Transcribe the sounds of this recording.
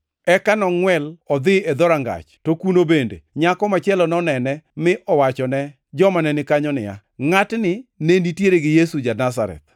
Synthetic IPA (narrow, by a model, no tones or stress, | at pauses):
ɛkanɔŋwɛlɔd̪ɪed̪ɔɾaŋɡa̰t͡ʃtokunobendḛɲakɔmat͡ʃɪɛlɔnɔnɛnɛmɪʔɔwat͡ʃɔnɛ | d͡ʒɔmanɛnɪkaɲɔnɪ̰ja̰ | ŋatnɪnenitjeɾeɡɪjesud͡ʒanas̬a̰ɾɛ̰t̪̚